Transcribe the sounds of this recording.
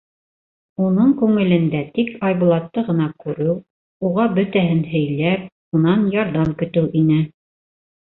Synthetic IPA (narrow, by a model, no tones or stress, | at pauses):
unɤɴkʉŋɘ̆lɘ̆nd̪æt̪ikɑjβulˠɑt̪ːɤʁɤ̆nɑkʉɾɘw | uʁɑbɵ̆t̪æɦɘnɦɵ̆jlæp | unɑnjɑɾðɑmkɵ̆t̪ɘwʔinɘ